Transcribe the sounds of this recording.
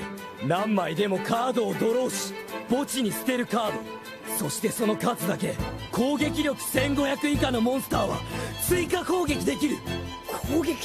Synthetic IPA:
nãmːaid̪e̞mo̞kʰaːd̪o̞ːd̪o̞ɾo̞ːɕi̥b̥o̞t͡ɕiɲ̟isɨ̥t̪e̞ɾɯ̟kaːd̪o̞̰ | so̞ɕi̥t̪e̞so̞no̞kat͡sɨd̪ake̞ko̞ːɡe̞kʲiɾʲjo̞kɯ̟̥sẽ̞ŋɡo̞çakɯ̟ikano̞mõ̞ɰ̃sɨ̥t̪aːβa̰t͡sɨikako̞ːɡe̞kʲid̪e̞kʲiɾɯ̟ | kʰoːɡekʲ

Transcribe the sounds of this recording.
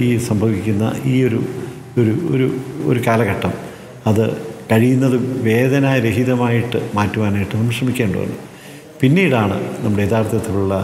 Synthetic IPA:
iːsɐmbʱɐʋikʲːunːɐ̰iːo̞ɾu | oɾuo̰ɾuo̰ɾukaːlɐɣɐʈːɐm | ɐðɨ̰kɐɻijunːɐðɨʋe̞ːðɐnaːjɐɾeɦiðɐmaːjiʈːɨmaːtːuʋaːnaːjiʈːɨnɐmɐʂrɐmikʲːeːɳɖo̰ʋɐ̰nːṵ | pinːiːjiɽaːɳɨ̰nɐmːuɽejet̪ʰaːrt̪ʰɐt̪ːiluɭːɐ

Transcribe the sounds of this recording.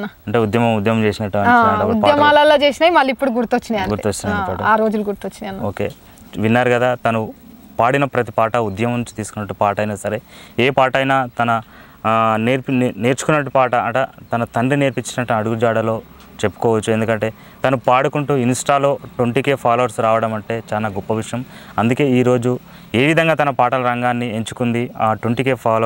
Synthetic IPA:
ɐɐɳʈe̞ːud̪jɐmɐmud̪jɐmɐmt͡ʃe̞ːsinɐʈːuɐnaɐud̪pajɐmaːlɐloːt͡ʃeːsinaːimɐlːipːuɽuɡuɾut̪ot͡ʃːind̪ɐɡuɾt̪ot͡ʃːinɐɐːʈɐaːɾoːd͡ʒulɡuɾt̪ot͡ʃːiniɐnːoːke̞ː | ʋinːaːɾuɡɐd̪aːt̪ɐnu | paːɽinɐpɾɐt̪i̥paːʈɐud̪jɐmɐmt͡ʃi̥t̪iːsu̥kunːɐʈːupaːʈɐjnɐsɐɾe̞ːeːpaːʈɐjnaːt̪ɐnɐ | neːɾpne̞ːɾt͡ʃu̥kunːɐʈːupaːʈɐɐʈɐt̪ɐnɐt̪ɐɳɖine̞ːɾpiɲt͡ʃːinɐt̪ɐɐɽuɡud͡ʒaːɽɐlo̞ː | t͡ʃe̞pːu̥kɔːʋɐt͡ʃːue̞nd̪ukɐɳʈe̞ː | t̪ɐnupaːɽukuɳʈuːinisʈaːlo̞ːʈʋɐɳʈike̞ːpʰaːlɐʋɐɾsɾaːʋɐɽɐmɐɳʈe̞ːt͡ʃaːlaːɡɔpːɐʋiʂɐjɐmɐnd̪uke̞ːiːɾo̞ːd͡ʒu | e̞ːʋid̪ʱɐŋɡaːt̪ɐnɐpaːʈɐlɐɾɐŋɡaːnːie̞ɲt͡ʃu̥kund̪iaːʈwɐɳʈike̞ːpʰaːl

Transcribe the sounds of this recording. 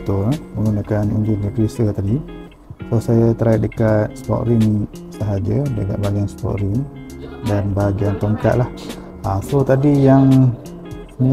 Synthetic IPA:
t̪omulunakanṵɲd͡ʒuɲəkɾisət̪adi | sosajat̪əɾaiʔ̚dəkat̪̚spɔ̰ʔɾiŋ | səɦad͡ʒədəka̰ʔbaɡianspɔ̰ʔɾin | danbaɦaɡiant̪oŋka̰ʔlah | asot̪adijaŋ | səmi

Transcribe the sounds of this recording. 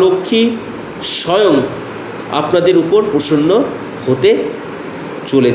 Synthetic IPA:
lokʰːi | ʃɔjoŋ | a̰pnad̪eɾupoɾpɾoʃonːo | hot̪e | t͡ɕolet͡ɕ

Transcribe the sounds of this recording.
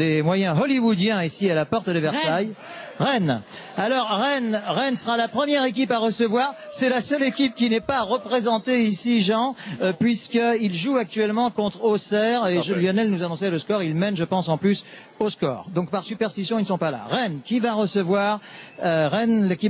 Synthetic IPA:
d̪emwajɛ̃ɦɔliwud̪jɛ̃isialapɔʁt̪d̪əvɛʁsaj | ʁɛn | alɔʁʁɛnʁɛnsəʁalapχəmjɛʁek̬ʲipaʁəsəvwaːʁsɛlasœlekʲip̚kʲinɛpaʁəpχezɑ̃t̪eisiʒɑ̃pɥiskəilʒuak̚t̪ɥɛlmɑ̃kɔ̃t̪χosɛʁeʒljɔnɛlnuzanɔ̃sɛləskɔʁilmɛnʒəpɑ̃sɑ̃plys | oskɔ̰ːʁd̪ɔ̃k̚paʁsypɛʁst̪isjɔ̃inəsɔ̃pala̰ʁɛnkʲivaʁəsəvwaʁøʁɛnlekʲi

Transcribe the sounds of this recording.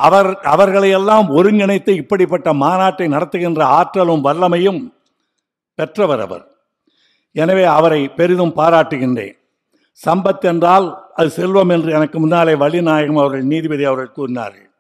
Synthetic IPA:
ʔɐʋɐɾɐʋɐɾɣɐɭɐjɛlːaːmɔɾɯŋɡɪɳɐɪt̪ːɯɪpːɐɽɪpːɐʈːɐmaːnaːʈːɐɪnɐɽɐt̪ːɯɣɪndrɐaːʈrɐlɯmʋɐɭːɐmɐjɯm | pɛʈrɐʋɐɾɐ̰ʋɐ̰ɾ | ɛnɐʋeːɐʋɐɾɐɪpɛɾɪðɯmpaːɾaːʈːɯɣɪɳdḛːn | sɐmbɐt̪ːɛndraːlʔɐðɯsɛlʋɐmɛndrɯɛnɐkːɯmʊnːaːleːʋɐɭɪnaːjɐɣɐmɐʋɐɾɣɐɭniːðɪbɪðɐjɐʋɐɾɣɐɭkuːɾɪna̰ːɾɣɐ̰ɭ

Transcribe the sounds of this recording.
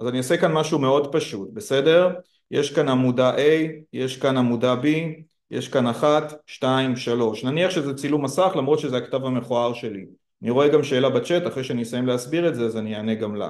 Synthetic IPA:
azaniosekanmaʃume̞o̞dpaʃutbe̞se̞de̞ʁ | jeʃkanamudaʔe̞jje̞ʃkanamudabi | jḛʃkanaχatʃtaimʃalo̞ʃnaniaχʃezet͡silumasaχlamʁo̞t̪ʃezeaktavame̞χoaʁʃe̞li | aniʁo̞e̞ɡamʃe̞ːlabat͡ʃe̞taχʁejʃeanisajemleasbiʁetzeazanianeɡamla̰

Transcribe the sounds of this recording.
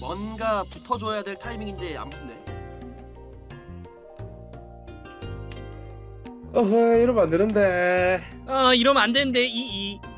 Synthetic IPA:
mwʌnɡaputʰʌd͡ʑojadwe̞ɭtʰaimiŋindea̰mkʰunde̞̰ | ʌɦiɾʌmandenɯnde | aiɾʌmandenɯnde̞ii

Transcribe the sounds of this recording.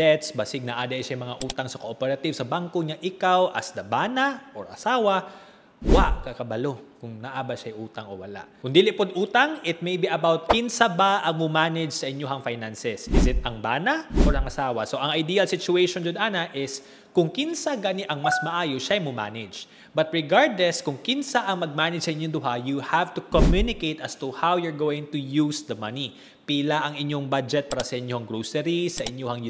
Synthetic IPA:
d̪ɛt̪sbɐsɪɡ̚nɐʔaːd̪ɐʔʃajmɐŋaʔuːt̪ɐŋsɐkoʔopɛɾɐt̪ivsɐbaŋkoɲaʔɪkawʔɐ̰sd̪ɐbaːnɐʔo̰ɹʔɐ̰saːwɐ | waʔkakɐbɐlo̞kʊŋnɐʔaːbɐʃajʔuːt̪ɐŋowɐla̰ʔkʊnd̪ilɪpod̪ʔuːt̪ɐŋɪt̪̚mejbiʔɐbawt̪̚kinsɐbaʔɐŋmʊmanɪd͡ʒsɐʔɪɲjoɦɐŋfajnansɛsʔɪsɪt̪ɐŋbaːnɐʔoɹɐŋʔɐsaːwɐ̰so̞ʔɐŋɐjd̪iːɐlsɪt͡ʃʊejʃond͡ʒʊd̪ʔanɐʔɪs | kʊŋkɪnsaɡaːniʔɐŋmɐsmɐʔaːjoʃaɐjmʊma̰ːnɪd͡ʒ | bɐt̪̚ɹɛɡaɹd̪lɛskʊŋkɪnsaʔɐŋmɐɡ̚maːnɪd͡ʒsɐʔɪɲoŋd̪ʊɦajuhavt̪ukomjunɪkejt̪ʔast̪uhawjʊɹɡowɪ̃ŋt̪ʊjusd̪ɐmɐni | piːlaʔɐŋɪɲoŋbad͡ʒɛt̪̚paːɾɐsɐʔɪɲjoɐŋɡɹosɛɾisɐʔɪɲjohɐŋj

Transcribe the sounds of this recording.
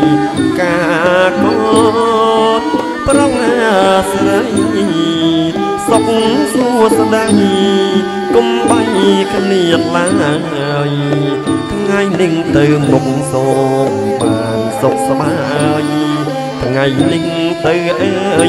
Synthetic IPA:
kaːkʰɔl | prɑŋasraj | sok̚ŋsuəsɗaj | kumɓajkʰniət̪̚laəəŋhaəj | t̪ʰŋajnɨŋt̪ɨwnomsɑː | ɓaːnsok̚sɓaːaəj | t̪ʰŋajnɨŋt̪ɨwʔa

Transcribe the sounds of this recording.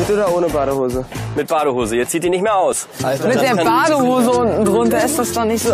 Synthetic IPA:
b̥ɪtəoːdɐoːnəbaːɾəhoːzəmɪt̚b̥aːɾəɦoːzəiːɐt͡siːtd̥iːnɪçtmeːɐʔaʊs | mɪt̚d̥eːɐbaːdəhoːzəʊnn̩dʁʊntɐɪstd̥asd̥anɪçtz̥oː

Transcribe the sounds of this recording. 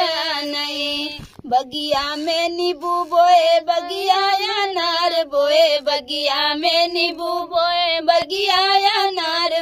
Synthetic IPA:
anəĩ | bɐɡijaːmẽːnibuːboːebɐɡijaːjaːnaːɾboːebɐɡijaːmẽnibuboebɐɡijaːjanaːɾ

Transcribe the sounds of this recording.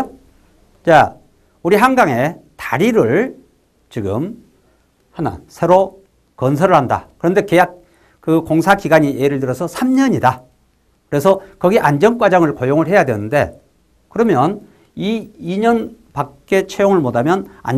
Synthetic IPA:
t͡ɕa | uɾiɦaŋɡaŋe̞taɾiɾɯɭ | t͡ɕiɡɯ̰m | hana̰sʰe̞ɾo | kʌns̬ʰʌɾɯɭhanda̰kɯɾʌnde̞kejak̚ | kɯkoŋsʰakiɡaɲieɾɯɭtɯɾʌsʰʌsʰamɲʌɲida | kɯɾe̞sʰʌkʌɡeʔand͡ʑʌnkwad͡ʑaŋɯɭkojoŋɯɭɦe̞jadwenɯnde̞̰ | kɯɾʌmjʌn | iːɲʌnpak̚k͈e̞t͡ɕʰejoŋɯɭmodʱamjʌna̰n

